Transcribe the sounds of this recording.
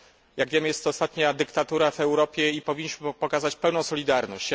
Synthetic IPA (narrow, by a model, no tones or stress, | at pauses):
jaɡvʲjɛmɘjɛst̪ːɔːst̪at̪ɲad̪ɘkt̪at̪uɾavɛwɾɔpʲjɛipɔvʲiɲːiɕmɘpɔkazat͡ɕpɛwnɔ̃w̃sɔlʲid̪aɾnɔ̰ɕt͡ɕ